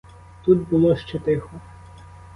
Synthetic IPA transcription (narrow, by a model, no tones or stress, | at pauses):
t̪ud̪bʊlˠɔʃt͡ʃɛt̪ɪxɔ